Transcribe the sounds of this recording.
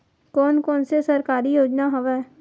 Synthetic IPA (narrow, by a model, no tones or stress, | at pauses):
kɔːnkɔːnsesɐɾkaːɾijoːd͡ʒnaɦoʋɛː